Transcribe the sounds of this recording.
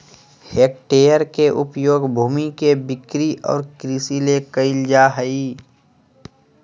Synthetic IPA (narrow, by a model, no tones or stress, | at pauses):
heːk̚ʈeːjəɾkeʔʊpjoːɡbʱuːmikebɪkɾiʔɔ̰ːɾkɾisilekəɪld͡ʒaːɦəi